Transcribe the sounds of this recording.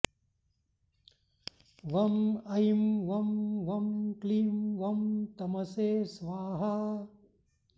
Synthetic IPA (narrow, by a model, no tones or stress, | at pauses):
ʋɐmɐjmʋɐmʋɐmkliːmʋɐmt̪ɐmɐseːsʋaːɦa